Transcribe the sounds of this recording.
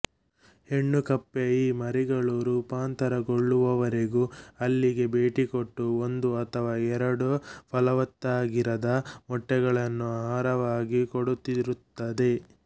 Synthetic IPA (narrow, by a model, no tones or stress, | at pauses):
he̞ɳːukɐpːeiːmɐɾiɡɐɭuɾuːpaːnt̪ɐɾɐɡoɭːuʋɐʋɐɾeɡuɐlːiɡe̞beːʈikoʈːuo̞nd̪uɐt̪ʰɐʋaːɛɾɐɽupʰɐlɐʋɐt̪ːaːɡiɾɐd̪ɐmɔʈːɛɡɐɭɐnːuaɦaːɾɐʋaːɡikoɽut̪ːiɾut̪ːɐd̪e̞